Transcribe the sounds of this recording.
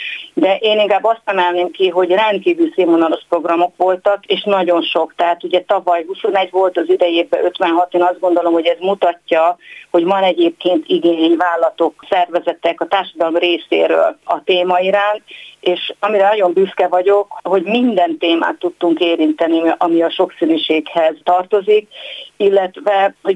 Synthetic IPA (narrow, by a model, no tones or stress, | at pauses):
d̪ɛʔeːniŋkaːbːɒst̪ɛmɛlneːmkiɦo̞ɟrɛnt̪̚kiːvyːlseːmɦonɒlo̞ʃpro̞ɡrɒmo̞kʋo̞lt̪ɒkeːʃnɒɟo̞nʃo̞kt̪ɛɦaːt̪uɟɛt̪ɒvɒjɦuso̞nɛɟʋo̞lt̪ɒzid̪ɛjeːbɛʔø̞t̪ʋɛnɦɒt̪eːnɒzd̪ɡond̪o̞lo̞mho̞ɟɛzmut̪ɒcːɒho̞ɟvɒnɛɟeːp̚keːnt̪iɡeɲvaːlːɒt̪o̞ksɛrvɛzɛt̪ɛkɒt̪aːrʃɒd̪ɒlomreːsḛːɾø̰ːlɒt̪eːmɒiɾaːnt̪eːʃɒmiɾɛnɒɟo̞mbyskɛvɒɟo̞kho̞ɟmind̪ɛnt̪eːma̰ːt̪ːut̪ːuŋkeːɾint̪ɛniɒmiɒʃo̞ksinyʃeːkhɛzt̪ɒrt̪o̞zikilːɛt̪vɛho̞